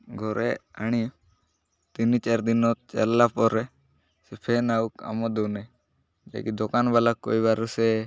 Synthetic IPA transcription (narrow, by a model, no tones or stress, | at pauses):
ɡʱɔɾɛaɽ̃i | t̪init͡ʃaɾd̪inɔt̪̚t͡ʃɛlːapɔɾɛ | sɛpʰɛnauka̰mɔd̪ɔnɛ | d͡ʒa̰kid̪ɔkanbalakːo̰jβaɾusɛ